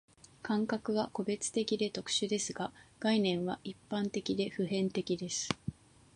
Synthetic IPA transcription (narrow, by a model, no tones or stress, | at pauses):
kãŋkakɯ̟βako̞be̞t͡sɨ̥t̪e̞kʲid̪e̞t̪o̞kɯ̟̥ɕɨd̪e̞sɨɡaɡ̥ainẽ̞ɰ̃βaʔipːãnt̪e̞kʲid̪e̞ɸɯ̟ɦẽ̞nt̪e̞kʲid̪e̞sɨ̥